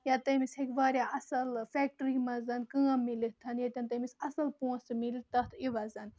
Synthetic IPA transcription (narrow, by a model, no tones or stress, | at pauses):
jat̪ɐmisɦekʋaːɾʲjaɐsɐlfɛːk̚ʈɾimɐzɐnkɨ̃ãmilit̪ʰɐnjɐt̪ʲɐnt̪ɐmisɐsɐlpõːnsmilit̪ɐt̪ʰiʋɐzɐn